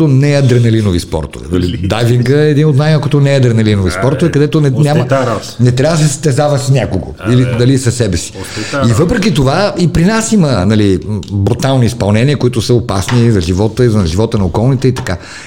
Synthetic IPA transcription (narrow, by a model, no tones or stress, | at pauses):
onɛɐd̪ɾɛnɐlinovispɔ̰ɾt̪o̰vɛ̰nɐlid̪aviŋɡəɛɛd̪inot̪najmakot̪onɛɐd̪ɾɛnɐlinovispɔɾt̪ovɛkɐd̪ɛt̪onɛnʲamə | nɛt̪ɾʲavəsɛst̪ɛzavəsnʲakoɡo̰ilinɐlisɐsɛbɛsi̥ | ivɤpɾɛkit̪ovaipɾinasimənɐlibɾut̪alˠniispɐlˠnɛniəkoit̪ʊsəopasnizɐʒivɔt̪əizɐʒivɔt̪ənɐokɔlˠnit̪ɛit̪ɐ̥ka